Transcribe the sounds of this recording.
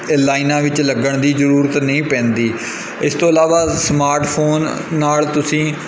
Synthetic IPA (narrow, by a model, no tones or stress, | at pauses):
laːinãːʋɪt͡ʃləɡəɳd̪iːzəɾuːɾət̪nəĩːpɛ̃ːnd̪iː | ɪst̪õːəlaːʋaːsmaːɾʈpʰoːnː | aːlt̪ʊsĩː